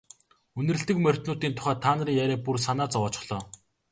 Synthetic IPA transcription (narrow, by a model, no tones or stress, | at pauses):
ɵnɘ̆rɘ̆ɬt̪ɘ̆kmœr̥ʲt̪nʊːt̪iːnt̪ʰʊ̥χæːt̪ʰːaːnə̆riːŋjæɾʲæːpurs̬anaːt͡sɔwɔːt͡ɕɪ̥̆χɮ̥ɔː